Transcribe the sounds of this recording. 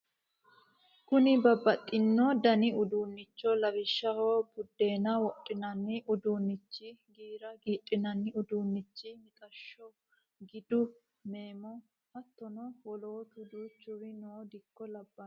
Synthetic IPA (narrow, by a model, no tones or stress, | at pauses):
kʊnɪbɐbːɐt̪ʼːɪnːɔd̪ɐnɪʊd̪uːnːɪt͡ʃːɔlɐwɪʃːɐhoːbʊd̪ːe̞ːnɐwɔʔʼːɪnɐnːɪʔʊd̪uːnːɪt͡ʃːɪɡiːɾɐɡiːtʼːɪnɐnːɪʊd̪uːnːɪt͡ʃːɪmɪt̪ʼɐʃːɔ | ɡɪd̪ʊ | me̞ːmɔ | hɐt̪ːɔnɔwɔloːt̪ʊd̪ut͡ʃʊɾɪnoːd̪ɪkːɔlɐbːɐ